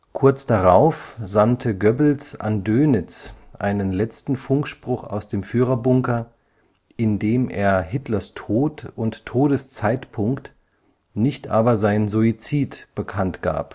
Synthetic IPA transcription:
kʰʊɐt͡sd̥aʁaʊfz̥antʰəɡœbl̩sʔa̰ndøːnɪt͡sʔa̰ɪnənlɛt͡stn̩fʊŋkʃpʁ̥ʊχa̰ʊsd̥eːmfyːʁɐbʊŋkɐ | ʔɪndeːmʔḛːɐɦɪtlɐstʰoːtʊntʰːoːɾəst͡saɪtpʰʊŋkt | nɪçtʔaːbɐzaɪnənzuit͡siːtb̥əkʰantɡ̥a̰ːp

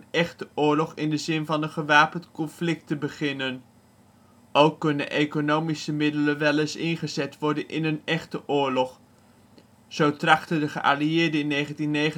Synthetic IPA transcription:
nɛχtəʔʊːɹlɔχɪndəzɪnvɑnənχəʋaːpəntkɔnflɪk̚təbəχɪnən | owkːɵnə̰nʔekonowmisəmɪdələnʋɛlɪsɪnχəzɛtʋɔɹdənʔɪ̰nənɛχtəʔʊːɹlɔχ | z̥owtrɑχtədəχəʔa̰liɪːɹdəɪnːejχəntinːejə

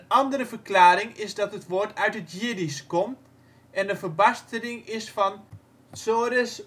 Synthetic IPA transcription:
ənɑndəɾəvəklaːɾɪŋɪzdɑtɦətʋoːɹtʰœɥtətjɪdiskɔmt | ɛndəvərbastənɪŋɪsfɑn | soːɾəs

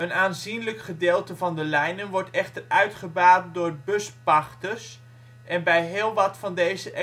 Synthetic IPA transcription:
ənaːnzinləkχədɪːlˠtəvɑndəlɛjnənʋɔɹtɛχtərœɥtχəbaːt̚dʊːrbɵspɑχtəs | ʔɛnbɛjɦɪːlˠʋɑtfɑndejzəʔɛ

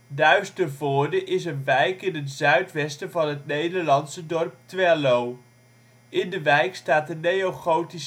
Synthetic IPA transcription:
dœɥstərvoːɹdəʔɪsənʋɛjkɪnɦətzœɥtʋɛstəvɑnɦətnejdəɹlɑnsədɔrp̚tʋɛlow | ɪndəʋɛjkstaːtənejowχowti

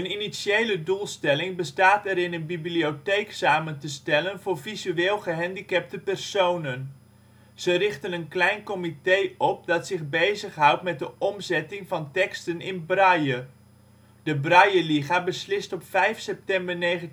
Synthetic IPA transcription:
əninisjejlədulˠstɛlɪŋbəstaːtɛɾɪnənbibliotejksaːməntəstɛlənvʊːrvizyeːlˠχəɦɛndikɛp̚təpɛrsownən | z̥ərɪχtənənklɛjnkɔmitejɔp̚dɑtsɪχbejzəχɦʌwtmɛt̚dəʔɔmzɛtɪŋvɑntɛkstənɪnbrɑjə | dəbrɑjəliχaːbəslɪstɔpfɛjfsɛp̚tɛmbəɹnejχən

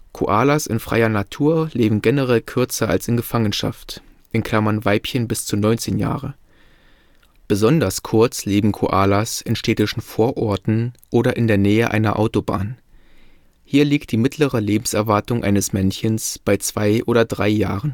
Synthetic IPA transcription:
kʰo̰ʔaːlasɪ̰nfʁ̥a̰ɪɐnatʰuːɐleːbm̩ɡɛnəʁɛlkʰʏɐt͡sɐa̰lsɪnɡəfaŋənʃa̰ft | ʔɪnkʰl̥amɐnvaɪpçənbɪst͡sunɔʏnt͡seːnja̰ːʁə | b̥əzɔndɐskʰʊɐt͡sleːbm̩kʰo̰ʔaːlasɪnʃtʰɛːtɪʃn̩foːɐʔɔɐtn̩ʔoːɾɐʔɪndeːɐnɛːəʔa̰ɪnɐ̰ʔa̰ʊtoba̰ːn | hiːɐliːk̚t̚d̥iːmɪtʰləʁəleːbm̩sɛɐvaɐtʊŋʔa̰ɪnəsmɛnçənsb̥aɪt͡sv̥aɪʔoːɾɐdʁaɪjaːʁən

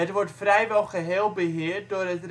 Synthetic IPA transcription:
ətʋɔɹtfrɛjʋɛlˠχəɦeːlˠbəɦɪːərt̚doːrətr

